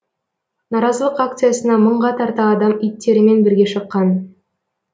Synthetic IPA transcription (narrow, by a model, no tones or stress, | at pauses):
nɑɾɑzəlˠəqak̚t̪sɨjasənɑməɴʁɑt̪ʰɑɾt̪ɑːd̪ɑmijt̪ːe̞ɾɪme̞nbɪɾɡʲe̞ʃəqːɑn